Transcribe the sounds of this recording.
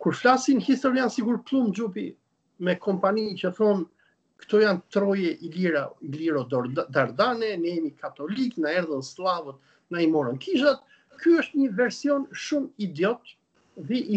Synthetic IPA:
kuɾflasinhist̪ɔɾiansiɡuɾklˠumd͡ʒupi | mɛkʰɔmpanicəθɔn | kə̥t̪ɔjant̪ɾɔjɛʔiiɾailiɾɔd̪aɾd̪anɛnɛmikʰat̪ɔliknaɛɾðənslˠavət̪ | naimɔɾənkʰiʃat̪ | kyəʃt̪ɲəvɛɾsiɔnʃumid̪jɔt̪ | ðɛʔi

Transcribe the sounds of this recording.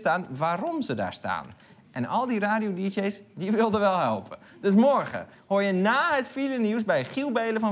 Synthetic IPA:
staːnʋaːɾɔmzəda̰ːɹsta̰ːn | ʔɛnɔlˠdiraːdijodiʃeːsdiʋɪlˠdəʋɛlˠhɛlˠpʰə | d̥øs̬mɔɹɣə̰ | hojənaːɦətfiɾəniws̬bɛjχilˠbeːləfɔ

